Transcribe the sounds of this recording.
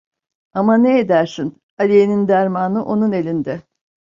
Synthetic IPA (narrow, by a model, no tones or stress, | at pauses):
amaneed̪æɾsin | alʲijenind̪æɾmaːnɯʔo̞nune̞lʲind̪ɛ